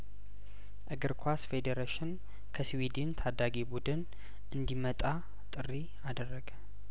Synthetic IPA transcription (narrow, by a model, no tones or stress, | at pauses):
ʔɨɡɨɾkʰasfed̪eɾeʃɪn | kʰəswid̪int̪ʰad̪aɡibud̪ɨn | ʔɨnd̪imət̪ʼa | t̪ʼɨrːi | ad̪ərːəɡə